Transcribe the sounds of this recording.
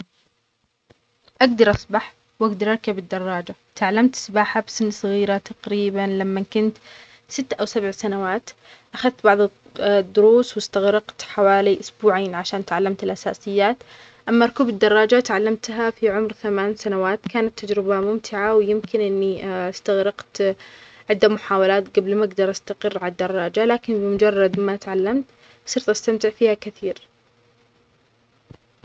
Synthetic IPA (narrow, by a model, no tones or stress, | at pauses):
ʔaɡd̪ɑɾˤʔɑsˤbaħ | wʔaɡd̪ɑɾˤʔɑɾkabɪd̪ːɑrˤːɑːd͡ʒa | t̪ʕalːamt̪sbaːħabsɪnːsˤɨɣiːɾat̪ɑqɾiːbanlamːakʊnt̪ | sɪt̪ːʔawsabʕsanawaːt̪ | ʔaxaðt̪bɑʕðˤ | d̪ːʊɾuːswɪst̪aɣɾɑqt̪ħawaːliʔʊsbuːʕaːnʕaʃaːnt̪ʕalːamt̪ɪlʔasa̰ːsɪjːaːt̪ | ʔamːaɾˤkuːbɪd̪ːɑrˤːɑːd͡ʒat̪ʕalːamt̪ɦafiʕʊmɾθamaːnsanawaːt̪kaːnat̪ːad͡ʒɾɪbamʊmt̪ʰɪʕawjɪmkʰɪnʔɪnːiʔst̪aɣɾɑqt̪ | ʕɪd̪ːamʊħaːwalaːt̪ɡablmaɡd̪ɑɾˤʔast̪aqɪrːʕalad̪ːɑrˤːɑːd͡ʒalaːkɪnbɪmʊd͡ʒɑrˤːɑd̪mat̪ʕalːamt̪ | sˤɨɾt̪ʔast̪amt̪ɪʕfiːhakɪθiːɾ